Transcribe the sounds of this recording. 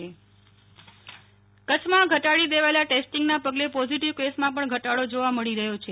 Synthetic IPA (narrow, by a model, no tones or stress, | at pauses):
e | kət͡ʃʰmãɡʱəʈaɭid̪eʋaelaʈesʈiŋɡnapəɡlepɔziʈiʋkʋesmãp̬əɳɡʱəʈaɽod͡ʒoʋaməɭiɾəɦjot͡ʃʰe